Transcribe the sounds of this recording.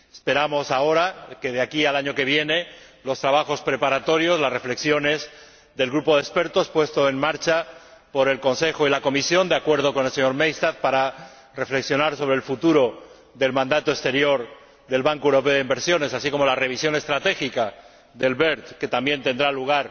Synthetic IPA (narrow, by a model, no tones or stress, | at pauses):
e̥spe̞ɾamo̞sao̞ɾake̞ð̞eakialaɲoke̞β̞je̞ne̞lo̞st̪ɾaβ̞axo̞spɾe̞paɾat̪o̞ɾjo̞zlasre̞fle̞ksjo̞ne̞z | ðe̞lɣɾupo̞ðespe̞ɾt̪o̞spwe̞st̪oenmaɾt͡ʃapo̞ɾe̞lko̞nse̞xoilako̞misjo̞nd̪eakwe̞ɾð̞o̞ko̞ne̞lse̞ɲo̞ɾmejst̪aθpaɾa | re̞fleksjonaɾso̞β̞ɾelfut̪uɾo̞ | ðe̞lmãnd̪at̪oest̪e̞ɾjo̞ɾ | ðe̞lβaŋkoewɾo̞p̬eoðimbe̞ɾsjo̞ne̞sasiko̞mo̞lare̞β̞isjo̞ne̞st̪ɾat̪e̞xika | ðe̞lβeɾt̪ke̞t̪ambje̞nt̪e̞nd̪ɾaluɣ̞aɾ